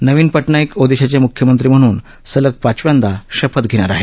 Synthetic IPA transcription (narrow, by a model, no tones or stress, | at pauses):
nəʋiːnpəʈɳaikod̪eɕat͡ɕjamukʰjəmənt̪ɾiːm̤əɽ̃uːn | sələk̚pat͡ɕʋjãnd̪aɕəpət̪ɡʱeɽ̃aɾaɦe